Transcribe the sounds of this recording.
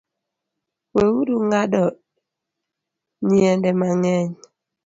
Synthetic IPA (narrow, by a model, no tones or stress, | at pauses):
wewuduŋɡadɔʔ | ɲiɛndɛmaŋɛɲ